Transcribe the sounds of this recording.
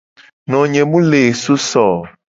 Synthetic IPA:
nɔ̃˨ɲɛ̃˨mũ˦le˨so˦sɔ˨

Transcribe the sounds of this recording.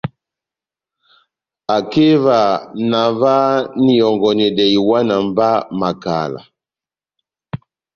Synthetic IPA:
a˨ke˦va˨na˨va˦ni˨jɔ˨ŋɡɔ˨nɛ˨dɛ˨i˨wa˦na˨m˦ba˦ma˨ka̰˨la̰˨

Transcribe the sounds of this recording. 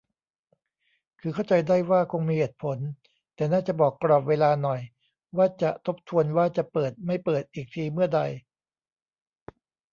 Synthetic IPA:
kʰɯː˧kʰa˥˩wt͡ɕa˧jdaː˥˩jwaː˥˩kʰo˧ŋmiː˧heː˨˩t̪̚pʰo˩˦n | t̪ɛː˨˩naː˥˩t͡ɕa˨˩bɔː˨˩kːɾɔː˨˩p̚weː˧laː˧nɔ˨˩j | waː˥˩t͡ɕa˨˩t̪ʰo˦˥p̚t̪ʰu˧ənwaː˥˩t͡ɕa˨˩pɤː˨˩t̪̚ma˥˩jpɤː˨˩t̪̚ʔiː˨˩k̚t̪ʰiː˧mɯ˥˩ɐda˧j

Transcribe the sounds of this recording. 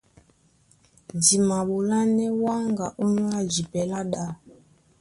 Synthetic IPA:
di˨ma˨ɓu˨la˦nɛ˦wa˦ŋɡa˨ʔo˦ɲwa˦d͡ʒi˨pɛ˨la˦ɗa˦˨

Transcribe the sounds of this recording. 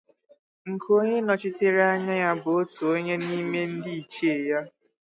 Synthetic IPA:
ŋ̩˨kʰo˦ɲe˦nɔ˨t͡ʃɪ˦te˦ɾa˦ɲa˦ja˦bʊ˨o˦tu˨o˦ɲe˦ni˦me˦n̩˦dɪ˦i˨t͡ʃe˦˨ja˦

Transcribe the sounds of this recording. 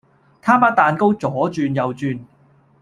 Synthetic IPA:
t̪ʰaː˥mpɐ˥t̚t̪ːaː˨nko˥wt͡sɔː˨˥t͡ʃyː˧njɐ˨wt͡ʃyː˨˧n

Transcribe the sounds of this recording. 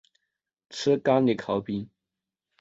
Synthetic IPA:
ʈ͡ʂ̩ʰ˥ka˥ni˨˩kʰɑ˨˧˥ʊpi˥n

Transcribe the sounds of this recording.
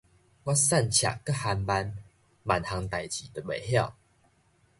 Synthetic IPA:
wa˦sa˥˨nt͡ɕʰja̰˨˩kə˦˨ha˧nba˧n | ma˨˩nha˧ŋt̪a˨jt͡ɕi˨d̪ə˨be˨˩ɦja˥˨ʊ

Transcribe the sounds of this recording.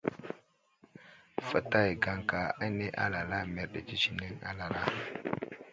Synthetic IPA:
fa˨ta˦jɡa˦ŋka˨a˦ne˦ʔa̰˦la˨la˦me˨ɾɗe˨t͡ʃi˦t͡ʃi˨ne˦ŋa̰˦la˨la˦

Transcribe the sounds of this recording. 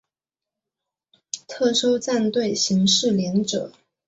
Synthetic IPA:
t̪ʰɤ˥˩ʂo˥ʊt͡sa˥˧nt̪we˥˩ɪɕi˧˥ŋʂɻ̩˥˩ljɛ˧˥nʈ͡ʂɤ̰˨˩˦

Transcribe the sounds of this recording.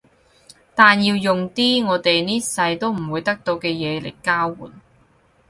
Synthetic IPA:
t̪aː˨njiː˧wjʊ˨ŋt̪iː˥ŋɔː˨˧t̪e˨jniː˥sɐ˧jt̪o˥wm̩˨˩wuː˨˧jt̪ɐ˥k̚t̪o˧wkɛː˧jɛː˨˧lḛ˨˩jkaː˥wːṵː˨˩n

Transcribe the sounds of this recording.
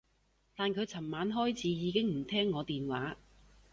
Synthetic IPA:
t̪aː˨nkʰɵ˨˧ɥt͡sʰɐ˨˩mmaː˨˥nɦɔː˥jt͡sʰiː˨˥jiː˨˧kɪ˥ŋm̩˨˩t̪ʰɛː˥ŋːɔː˨˧t̪iː˨nwaː˨˥

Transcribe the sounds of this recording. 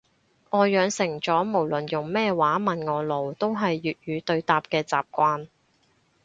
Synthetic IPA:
ŋɔː˨˧jœː˨˧ŋsɪ˨˩ŋt͡sɔː˨˥mo˨˩wlɵ˨˩njʊ˨˩ŋmɛː˥waː˨˥mɐ˨nŋɔː˨˧lo˨˩wt̪o˥wɦɐ˨jːyː˨t̚jyː˨˧t̪ɵ˧ɥt̪aː˨p̚kɛː˧t͡saː˨p̚kʷaː˧n

